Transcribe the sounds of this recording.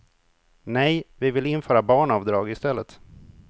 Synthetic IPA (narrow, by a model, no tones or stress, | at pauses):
nɛjvɪvɪlɪnfœːɾabɑːɳɑvd̪ɾɑːɡɪst̪ɛlːət̪